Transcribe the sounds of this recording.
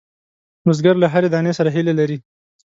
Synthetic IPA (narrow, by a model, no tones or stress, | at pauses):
mʊzɡaɾlaɦaɾed̪ɑnesaɾaɦilelaɾi